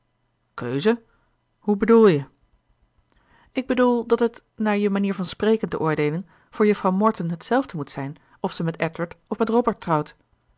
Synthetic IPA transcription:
kø̰ɥzə | hɦubədulˠjə | ɪɡ̚bədulˠdɑtɦət | naːɹjəmaniːɹvɑnsprejkəntə̰ʔʊːɹdejlən | v̥ʊːɹjəfrɑwmɔɹtənɦətsɛlˠvdəmutsɛjn | ɔfsəmɛtɛtwəɹtɔfmɛtrɔbəɹtːrɑwt

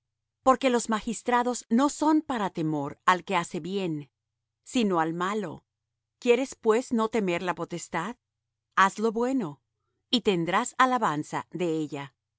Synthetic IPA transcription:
po̞ɾke̞lo̞zmaxist̪ɾaðo̞zno̞so̞npaɾat̪e̞mo̞ɾalke̞ase̞βje̞n | sino̞almalo̞̰ | kje̞ɾe̞spwe̞zno̞t̪e̞me̞ɾlapo̞t̪e̞st̪að | azlo̞βwe̞no̞ | it̪e̞nd̪ɾasalaβansa̰ðe̞eʎa

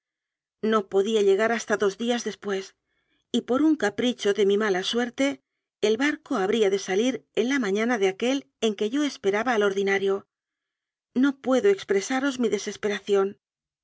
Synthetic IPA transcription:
no̞po̞ðiaʎe̞ɣ̞aɾast̪aðo̞zðiazðe̞spwe̞s | ipo̞ɾuŋkapɾit͡ʃo̞ðe̞mimalaswe̞ɾt̪e̞ː | lβaɾko̞aβɾiaðe̞saliɾe̞nlamãɲanaðeake̞l | e̞ŋke̞ʝo̞e̞spe̞ɾaβaːlo̞ɾðinaɾjo̞ | no̞pwe̞ðoe̞kspɾe̞saɾo̞zmiðe̞se̞spe̞ɾaθjo̞n

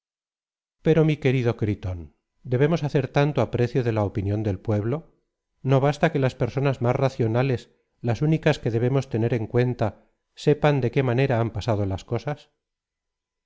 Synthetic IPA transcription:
pe̞ɾo̞mike̞ɾiðo̞kɾit̪o̞n | d̪e̞βe̞mo̞saθe̞ɾt̪ant̪oapɾe̞θjoðe̞laopinjõ̞nd̪e̞lpwe̞βlo̞ | no̞β̞ast̪ake̞laspe̞ɾso̞nazmasraθjo̞nale̞s | lasunikaske̞ðe̞β̞e̞mo̞st̪e̞ne̞ɾe̞ŋkwe̞nt̪a | se̞pand̪e̞ke̞mane̞ɾaampasað̞olasko̞sas

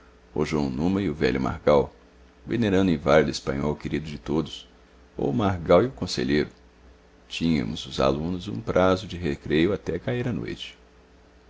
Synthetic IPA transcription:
o̰ʒwɐ̃w̃nũmɐɪʊvɛ̰ʎʊma̰ɾɡaw | veneɾɐ̃nd̪ʊẽvalid̪ʊespɐ̰̃ɲɔwkeɾid̪ʊd͡ʒɪt̪od̪ʊs | o̰maɾɡawiʊkõsḛʎejɾʊ | t͡ʃĩɲɐ̰̃mʊzʊza̰lũnʊzṵ̃pɾʔazʊd͡ʒɪɦekɾejʊat̪ɛkaiɾɐno̰jt͡ʃɪ̥

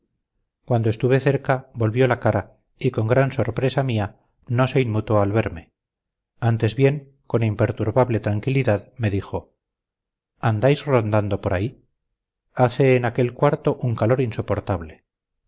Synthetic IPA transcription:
kwand̪oe̞st̪uβe̞θe̞ɾkabo̞lβjo̞lakaɾa | iko̞ŋɡɾanso̞ɾpɾe̞samia | no̞se̞inmut̪o̞alβeɾme | ant̪e̞zβje̞ŋ | ko̞nimpe̞ɾt̪uɾβaβle̞t̪ɾaŋkiliðaðme̞ðixo̞ | and̪ajzro̞nd̪and̪o̞po̞ɾai | aθeːnake̞lkwaɾt̪o̞ʔuŋkalo̞ɾinso̞po̞ɾt̪aβle

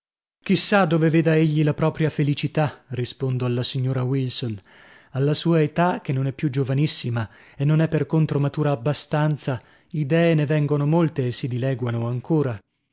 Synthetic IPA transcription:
k̟isːad̪ːoveveːd̪aeʎːilapɾɔːpɾjafelit͡ʃit̪arispond̪oalːasiɲːoːɾawilson | alːasuːaet̪ak̟enːonɛpːjud͡ʒovanisːima | enːonɛpːerkont̪ɾomat̪uːɾaːbːast̪ant̪sa | id̪ɛːenevɛŋɡonomolt̪eːsːid̪ilɛːɡwanoaŋkoːɾa

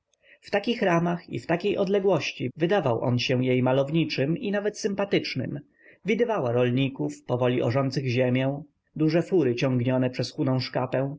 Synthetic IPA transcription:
ft̪akʲixɾamaxḭft̪akʲejʔɔd̪lɛɡwɔɕt͡ɕivɘd̪avawʔɔ̰nɕɛ̃jejmalɔvɲit͡ʂɘminavɛt̪sɘmpat̪ɘt͡ʂnɘ̰m | vʲid̪ɘvawaɾɔlɲikufpɔvɔlʲiʔɔ̰ʐɔnt̪sɘɣʑemʲjɛ̃ | d̪uʐɛfuɾɘt͡ɕɔ̃ŋɡɲɔnɛpʂɛsxunɔ̃w̃ʂkapɛ̃w̃

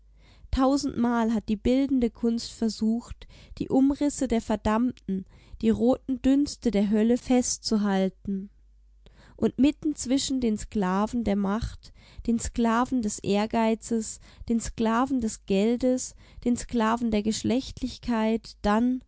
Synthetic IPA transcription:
tʰaʊzn̩tmaːlɦat̚d̥iːbɪldn̩dəkʰʊnstfɛɐzuːxtd̥ḭːʔʊmʁɪsədeːɐfɛɐdamtn̩d̥iːʁoːtn̩dʏnstədeːɐɦœləfɛstt͡suɦaltn̩ | ʔʊntmɪtn̩t͡sv̥ɪʃn̩deːnsklaːvn̩deːɐmaχt | d̥eːnsklaːvn̩dɛsʔeːɐɡaɪt͡səs | d̥eːnsklaːvn̩dɛsɡ̥ɛldəs | d̥eːnsklaːvn̩deːɐɡəʃlɛçtʰlɪçkʰaɪtd̥an

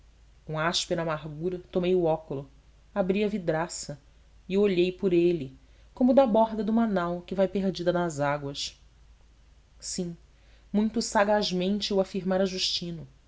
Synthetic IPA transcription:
ũaʃpeɾɐamaɦɡuɾɐt̪omejuɔkʊlʊ | abɾiɐvid̪ɾasɐ | ɪoʎejpʊɾelɪ | kõmʊd̪ɐbɔɦd̪ɐd̪umanawkɪvajpeɦd͡ʒid̪ɐnɐzaɡwɐs | sĩ | mũj̃t̪ʊsaɡaʒmẽnt͡ʃɪuafiɾmaɾɐʒuʃt͡ʃĩnʊ

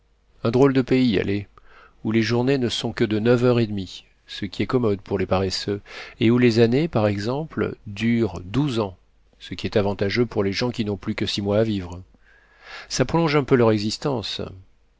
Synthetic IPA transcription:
ɛ̃d̪ʁold̪əpeia̰lʔe | uleʒuʁnenəsɔ̃kəd̪ənœvœʁed̪mi | səkʲiɛkɔmɔd̪pʰuʁlepaʁɛsøeulezanepaʁɛɡzɑ̃pl̰d̪yʁd̪uzɑ̃ | səkʲiɛt̪avɑ̃t̪aʒøpuʁleʒɑ̃kʲinɔ̃plykəsimwaːvivʁ | sapχɔlɔ̃ʒɛ̃pølœʁɛɡzist̪ɑ̃s

